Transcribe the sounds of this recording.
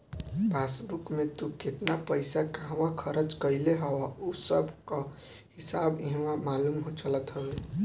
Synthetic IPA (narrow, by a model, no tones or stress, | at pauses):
basbukmet̪uket̪napəɪsakaɦwãkʰəɾət͡ʃkəɪleɦɔwausəbʱka | hisabiɦwãmalumɦot͡ʃələt̪ɦəbe